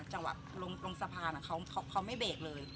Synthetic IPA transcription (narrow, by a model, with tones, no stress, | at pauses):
t͡ɕa˧ŋwa̰˨˩lo˧ŋlo˧ŋsa˧pʰaː˧nʔa˨˩kʰa˦˥wkʰa˦˥wkʰa˦˥wma˥˩jbeː˨˩k̚lɤː˧j